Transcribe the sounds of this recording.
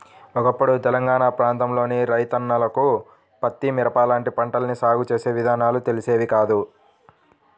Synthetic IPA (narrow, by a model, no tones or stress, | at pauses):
ɔkɐpːuɽut̪ɛlɐŋɡaːɳapɾaːnt̪ɐmlo̞ːniɾɐjt̪ɐnːɐlɐku | pɐt̪ːimiɾɐpaːlaːɳʈipɐɳʈɐlɐnisaːɡut͡ʃe̞ːse̞ːʋid̪ʱaːnaːlut̪e̞lise̞ːʋikaːd̪u